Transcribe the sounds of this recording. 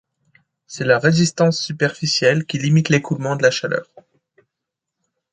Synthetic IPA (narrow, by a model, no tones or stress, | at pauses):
sɛlaʁezist̪ɑ̃sːypɛʁfisjɛlkʲilimit̪lekulmɑ̃d̪əlaʃalœ̰ːʁ